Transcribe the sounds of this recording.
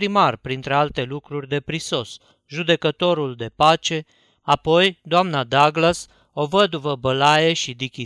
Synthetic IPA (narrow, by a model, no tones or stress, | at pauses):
ɾimarpɾint̪ɾe̞alt̪e̞lukɾurʲd̪e̞pɾiso̞s | ʒud̪e̞kət̪o̞ɾuld̪e̞pat͡ʃe̞ | apo̞jd̪oamnad̪aɡlas | o̞vəd̪uvəbəlaje̞ʃid̪ikʲi